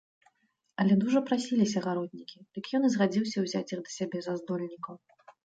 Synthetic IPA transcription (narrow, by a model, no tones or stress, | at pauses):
ɐlʲɛd̪uʐɐpɾasʲilʲisʲɐɣaɾɔd̪̚ʲnʲikʲid̪̥ɨkjɔnɨzɣad͡zʲiwsʲɐwzʲat͡sʲjiɣd̪ɐsʲabʲɛzazd̪ɔlʲnʲikɐw